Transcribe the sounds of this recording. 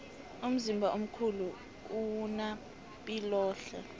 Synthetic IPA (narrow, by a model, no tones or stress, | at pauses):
um̩zimbʱaʔom̩kʰulu | una | ɓʼilɔːɬɛ